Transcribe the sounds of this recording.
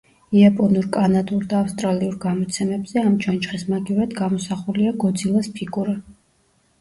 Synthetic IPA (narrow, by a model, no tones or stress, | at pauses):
iapʼɔnuɾkʼanad̪ʼuɾd̪aːfst̪ʼɾaliuɾɡamɔt̪sʰɛmɛbz̥ɛamt͡ʃʰant͡ʃχɛsmaɡiuɾad̪ɡamɔsaχuliaɡɔd̪zilˠaspʰiɡuɾa